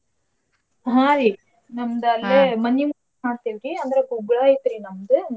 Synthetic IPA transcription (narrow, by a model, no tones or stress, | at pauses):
ɦãːɾiː | nɐmd̪ɐlːeːmɐnːimu | ɦaːt̪eʋɡiɐnd̪ɐɾeɡuɡɭaːit̪ɾinɐmd̪ɨn